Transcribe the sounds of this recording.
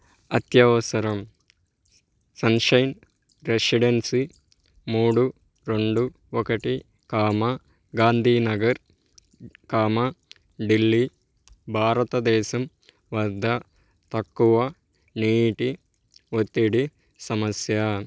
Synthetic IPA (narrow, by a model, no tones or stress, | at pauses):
ɐt̪jɐʋɐsɐɾɐm | sɐnʃɐjn | ɾesiɖensi | muːɽu | ɾeɳɖu | okɐʈi | kaːmɐ | ɡaːnd̪ʱiːnɐɡɐɾ | kaːmɐ | ɖilːi | bʱaːɾɐt̪ɐd̪ɛːsɐm | ʋɐɾd̪ʱɐ | t̪ɐkːuʋɐ | niːʈi | ot̪ːiɽi | sɐmɐsjɐ